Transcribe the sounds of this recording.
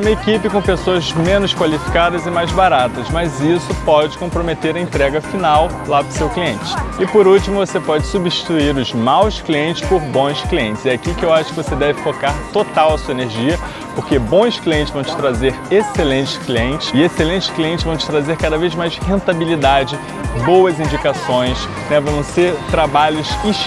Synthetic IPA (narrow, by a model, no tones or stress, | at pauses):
umɐekipɪkõpesoɐzmẽnʊskwalifi̥kad̪ɐzɪmajzbaɾat̪ɐzmɐzisʊpɔd͡ʒɪkõpɾomet̪eɾɐẽnt̪ɾɛɡɐfinaw | lapɾʊsewkliẽnt͡ʃɪ̥ɪpoɾuwt͡ʃimʊvosepɔd͡ʒɪsubiʃt͡ʃi̥t̪uiɾʊzmawskliẽnt͡ʃɪ̥spʊɾbõj̃skliẽt͡ʃɪ̥zɛakikɪewaʃʊ̥kɪvosed̪ɛvɪfokaɾt̪ot̪awɐsuɐeneɾʒiɐ | poɾkebõj̃skliẽnt̪ɪzvɐ̃w̃t͡ʃɪ̥t̪ɾazeɾeselẽnt͡ʃɪ̥kliẽnt͡ʃɪ̥sɪeselẽnt͡ʃɪ̥kliẽnt͡ʃɪzvɐ̃w̃t͡ʃɪ̥t̪ɾazeɾkad̪ɐvejzmajshẽnt̪abilid̪ad͡ʒɪ | bowɐzĩd͡ʒikasõj̃s | nɛvɐ̃w̃nɐ̃seɾt̪ɾabaʎʊsi